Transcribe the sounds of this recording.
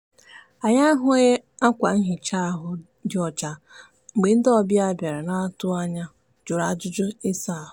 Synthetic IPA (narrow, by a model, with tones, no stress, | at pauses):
a˨ɲa˦ɦʊ˦e˦a˦kʷa˨n̩˦ɦɪ˨t͡ʃa˦a˨ɦʊ˦ | dɪ˨ɔ˨t͡ʃa˨ | ŋ͡m̩˨ɡ͡be˨n̩˦dɔ˦bja˦˨bja˨ɾa˨na˦tʊ˦a˦ɲa˦ | d͡ʒʊ˨ɾa˨d͡ʒʊ˦d͡ʒʊ˦e˦sa˦˨